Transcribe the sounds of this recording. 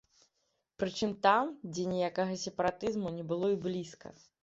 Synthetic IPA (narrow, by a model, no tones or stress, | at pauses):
pɾɨt͡ʂɨmt̪amd͡zʲɛnʲijakɐɣɐsʲɛpɐɾat̪ɨzmunʲɛbɨlˠɔiblʲiskɐ̰